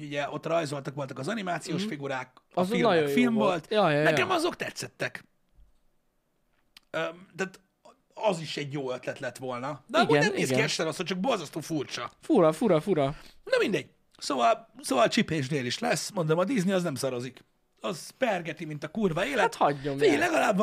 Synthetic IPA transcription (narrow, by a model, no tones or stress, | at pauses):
oɟuɟɛʔo̞t̪ːrɒjzo̞lt̪ɒkʋo̞lt̪ɒkɒzɒnimaːt̪sijoːʃfiɡuɾaːkilfilmvo̞lt̪jnɛkɛmɒzo̞kt̪ɛt̪sːɛt̪ːɛk | øːt̪aːt̪ | ɒziʃɛɟjoːøt̪lɛt̪lɛt̪ʋo̞lnɒnɡnɛnneːskiɛʃɛɾosot͡ʃɒk̚bo̞lzɒst̪oːfurt͡ʃɒfuɾɒfuɾɒfuɾɒnɒmind̪ɛɟ̥ | soːvɒlsoːvɒlt͡ʃipeːʒd̪eːliʃlɛsːmo̞nd̪omɒd̪izniɒznɛmsɒɾo̞zik | ɒzpɛrɡɛt̪imint̪ɒkurvɒeːlɛt̪hɒɟːomfilɛɡɒlaːb